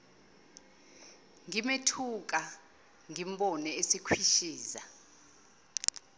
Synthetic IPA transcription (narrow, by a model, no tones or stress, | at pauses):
ŋimetʰuk̬ʼa | ŋimɓɔnɛesikʰwiʃiːza